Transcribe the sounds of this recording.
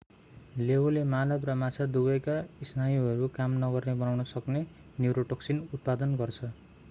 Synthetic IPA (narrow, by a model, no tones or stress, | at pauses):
lewlemalʌbrʌmat͡sʰad̪ubʌjkaisnajuɦʌɾukamnʌɡʌrnebʌnawnʌsʌkne | njuɾoʈʌksinut̪̚pad̪ʌnɡʌrt͡sʰʌ